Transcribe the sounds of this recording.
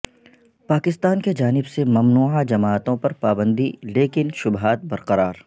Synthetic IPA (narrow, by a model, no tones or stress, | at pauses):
paːkɪst̪aːnked͡ʒaːnɪbsemɐmnuːad͡ʒɐmaːt̪õpɐɾpaːbə̃nd̪ileːkɪnʃʊbɦaːt̪̚bɐɾqɐɾaːɾ